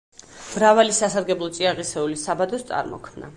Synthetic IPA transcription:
mɾavalisasaɾɡɛblˠɔt̪sʼiaʁisɛulisabad̪ɔst̪sʼa̰ɾmɔ̰kʰmna̰

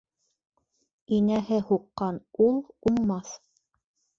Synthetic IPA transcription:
inæɦɘhuqːɑnulˠuɴmɑθ

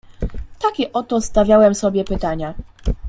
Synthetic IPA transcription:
t̪akʲɛʔɔt̪ɔst̪avʲjawɛmsɔbʲjɛpɘt̪aɲa

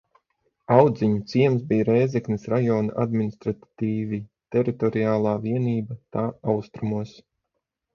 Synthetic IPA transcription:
awd̪ziɲut̪siɛmsbiːɾɛjzɛknisɾajɔːnaʔa̰d̪minist̪ɾat̪t̪iːvit̪ɛɾit̪ɔɾiaːlˠaːviɛniːbat̪aːawst̪ɾumuɔs

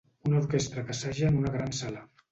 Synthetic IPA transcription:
unauɾkest̪ɾəkəsaʒəːnunəɣɾansalə

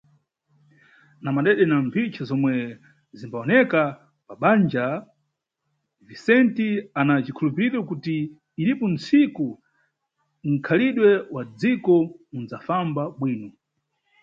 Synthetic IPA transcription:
namaɗɛɗɛnampʰit͡ʃʰazɔmwɛ | zimbaɔnɛka | paɓand͡ʒa | visɛntianat͡ʃikʰulupiɾɔkutiː | lipɔnt͡siku | ŋ̩kʰaliɗwɛwad͡zikɔund͡zafambaɓwiːnɔ

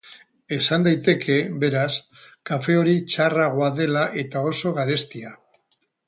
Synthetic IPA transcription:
e̞sand̪ajt̪e̞kʰe̞βe̞ɾas | kafe̞o̞ɾit͡ʃaraɣ̞oaðe̞laʔe̞t̪ao̞so̞ɣaɾe̞st̪ia

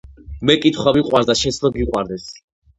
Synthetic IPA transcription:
mɛkʼit̪ʰχwaviqʼwaɾd̪aʃɛt̪sʰlɔɡiqʼwaɾd̪ɛs

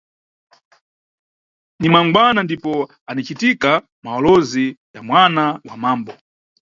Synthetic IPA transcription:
nimwaŋɡwanandipɔ | anit͡ʃitika | maɔlɔzijamwanawamaːmbɔ

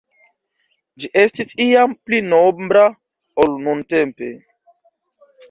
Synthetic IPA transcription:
d͡ʒiʔe̞stisiamplinobɾa | olnunte̞mpe̞̰

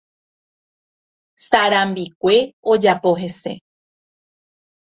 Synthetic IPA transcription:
saɾãmbik̚ʷe̞od͡ʒapo̞ɦe̞se̞̰

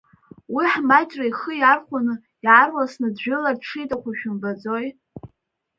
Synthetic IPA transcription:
wiħmajt͡ʃʼrajχəjarχʷanɨ | iʕarwasnɨdʒᶣʊlaʈ͡ʂʰijtʼakʷʰaʃᶣʊmbad͡zo̞j

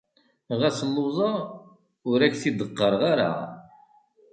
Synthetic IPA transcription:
ʁæsəlːʊzˤɑ | ʊɾæçθid̪əqːəɾˤʁaɾa̰

